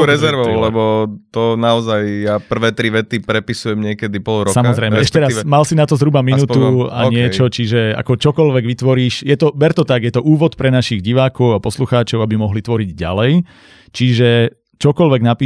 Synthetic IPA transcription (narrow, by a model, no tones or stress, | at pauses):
ɾɛzɛɾʋɔʊlɛbɔt̪ɔnaɔzajjapr̩ʋɛːt̪ɾiʋɛt̪ipɾɛpisujɛmɲɪɛkɛd̪ipɔlˠɾɔsammɔzɾɛjmɛɛɛʃcɛɾamalsinat̪ɔzɦɾubaminuːua̰ɲɪɛt͡ʃɔt͡ʃiʒɛa̰kɔt͡ʃɔkɔlʋɛɡʋit̪ʋɔɾiːʃjɛt̪ɔbɛɾt̪ɔt̪aɡjɛt̪ɔʔuːʋɔt̪pɾɛnaʃiɣɟiʋaːkɔʊapɔsluxaːt͡ʃɔʊabimɔɦlit̪ʋɔɾiɟɟa̰lɛj | t͡ʃiʒɛ | t͡ʃɔkɔlʋɛɡnapiː